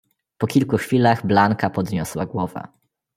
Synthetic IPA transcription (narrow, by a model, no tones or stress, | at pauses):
pɔkʲilkuxfʲilaɣblaŋkapɔd̪ɲɔswaɡwɔva̰